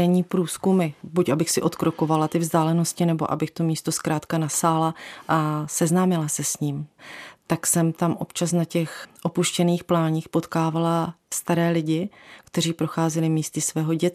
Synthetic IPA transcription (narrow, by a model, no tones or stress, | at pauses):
ɛɲiːpɾuːskumɪbucʔabɪxsɪʔo̞t̪kɾo̞ko̞valat̪ɪvzd̪aːlɛno̞scɪnɛbo̞̰ʔa̰bɪxt̪o̞miːst̪o̞skɾaːt̪kanasaːlaʔasɛznaːmɪlasɛsɲiːmt̪aksɛmt̪amʔo̞pt͡ʃasnacɛxʔo̞puʃcɛniːxplaːɲiːxpo̞t̪kaːvalast̪aɾɛːlɪɟɪkt̪ɛɾiːpɾo̞xaːzɛlɪmiːst̪ɪsvɛːɦo̞ɟɛt̪